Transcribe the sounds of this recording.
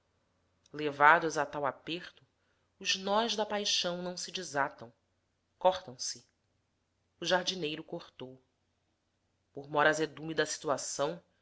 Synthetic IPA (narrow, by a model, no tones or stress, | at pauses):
levad̪ʊzat̪awapeχt̪ʊ | ʊʒnɔʒd̪ɐpajʃɐ̃w̃nɐ̃w̃sɪd͡ʒizat̪ɐ̃w̃ | kɔχt̪ɐ̃w̃sɪ | ʊʒaɾd͡ʒinejɾʊkoχt̪ow | pʊɾmɔɾazed̪umid̪ɐsi̥t̪uasɐ̃w̃